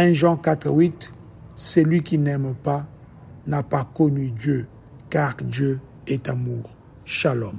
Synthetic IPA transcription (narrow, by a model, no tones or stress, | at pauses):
ɛ̃ʒɑ̃kat̪χəwit | sɛlɥikinɛmpa | napakɔnydjø | kaʁdjø | ɛtamuːʁ | ʃalɔm